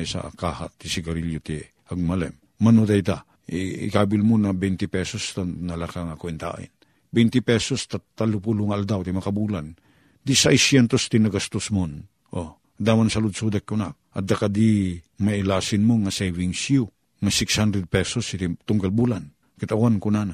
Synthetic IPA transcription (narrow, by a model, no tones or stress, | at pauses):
jsa̰kaha̰t̪ːisɪɡɐɾiljot̪ɛ | ɐɡ̚malɛ̰mːɐnot̪̬ajt̪a | ɪ̰kabɪlmonɐbɛjnt̪ɪpɛsost̪anɐlakaŋakwɛnt̪a̰ʔɪ̰n | bɛjnt̪ɪpɛsost̪at̪alʊpulʊŋaːld̪awt̪imɐkabulan | d̪isajsjɛnt̪ost̪inaɡast̪osmon | ʔo | d̪amansɐlʊd̪sud̪ak̚kʊna | ɐ̰d̪akad̪imailaːsɪnmoŋaseviŋsju | ŋasɪkshand̪ɾɛd̪̚pɛsost̪it̪ʊŋɡalbulan | kat̪awankʊnana